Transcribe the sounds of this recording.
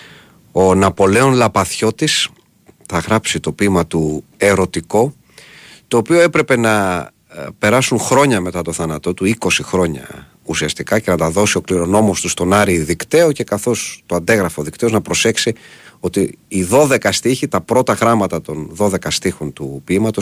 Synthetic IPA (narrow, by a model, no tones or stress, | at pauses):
o̞nɐpo̞le̞o̞nlɐpɐθço̞t̪is | θɐɣɾɐpsit̪o̞pimɐt̪ue̞ɾo̞t̪iko̞ | t̪o̞ːpioe̞pɾe̞pe̞nɐ | pe̞ɾɐsunxɾo̞ɲɐme̞t̪ɐt̪o̞θɐnɐt̪o̞t̪uiko̞sixɾo̞ɲɐ̰ | usiɐst̪ikɐce̞nɐt̪ɐðo̞sio̞kliɾo̞no̞mo̞st̪ust̪o̞nɐɾiðikt̪e̞oce̞kɐθo̞st̪o̞ɐnd̪eɣɾɐfoðikt̪e̞o̞znɐpɾo̞se̞ksio̞t̪iːðo̞ðe̞kɐst̪içit̪ɐpɾo̞t̪ɐɣɾɐmɐt̪ɐt̪o̞nðo̞ðe̞kɐst̪ixo̞nt̪upimɐt̪o̞s